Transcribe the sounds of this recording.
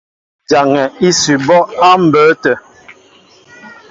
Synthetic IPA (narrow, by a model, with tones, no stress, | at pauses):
d͡ʒa˨ŋɛ˨i˦sy˨bɔ˦a˦m̩˨bəː˨˦tə˨